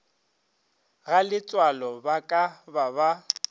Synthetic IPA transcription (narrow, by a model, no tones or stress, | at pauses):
ɣalɪt͡sʼwalɔbakʼababa